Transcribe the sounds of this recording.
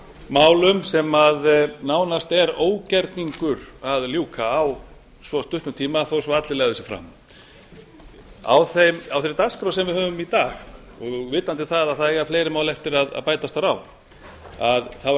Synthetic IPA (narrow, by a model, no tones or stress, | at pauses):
maːwlʏmsɛmaðnaːwnast̪ɛɾoːwcɛɾt̪niŋkʏɾaðljuːkʰaːw | svɔst̪ʏht̪nʏt̪ʰiːmaθosɔat̪lɪlɛɣðʏsjɛfɾa̰m | a̰wθemawθeɾt̪askɾowsɛmvɪðhœːvʏmit̪aːx | ɔɣvɪːt̪ant̪ɪθaðaðθaðɛɣafleːjɾɪmaːwlɛft̪ɪɾaða̰ðpaːjt̪ast̪aɾaw | aðθa